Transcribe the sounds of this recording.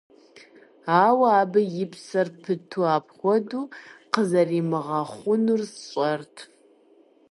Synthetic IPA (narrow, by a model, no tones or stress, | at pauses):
aːwaːbɐjɪpʰsɐrpʰɨtʰuaːpʰχʷɔduqəzɐrimɨʁɐχʷʊnursɕʷʼɐrtʰ